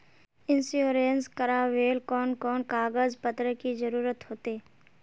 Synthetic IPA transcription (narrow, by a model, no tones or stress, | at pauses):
ɪnsjoːɾenskəɾaːʋeːlkɔːnkɔːnkaːɡəzpət̪ɾəkizəɾuːɾət̪ɦoːt̪eː